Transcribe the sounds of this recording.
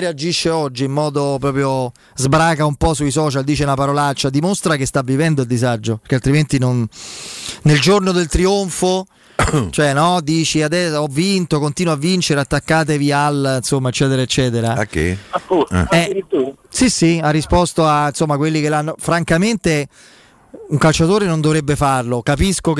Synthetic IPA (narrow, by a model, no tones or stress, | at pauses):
ɾead͡ʒiʃːeɔd͡ʒːiːmːɔːd̪opɾɔːpɾjo | zbɾaːkaumpɔsuisɔːt͡ʃald̪iːt͡ʃenapaɾolat͡ʃːad̪imost̪ɾakest̪avːivɛnd̪oild̪izad͡ʒːopeɾkealt̪ɾiment̪inon | neld͡ʒornod̪elt̪ɾioɱfo | t͡ʃoɛnɔd̪iːt͡ʃiad̪ɛɔvːint̪okont̪iːnwoavːint͡ʃeɾeat̪ːakːaːt̪̬evialinsomːaet͡ʃːɛːt̪eɾaet͡ʃːɛːt̪eɾaakːḛauɛit̪usisiarːispɔst̪oainsomːakwelːikelːanːofɾaŋkament̪e | uŋkalt͡ʃat̪oːɾenond̪ovɾebːefarlokapiskok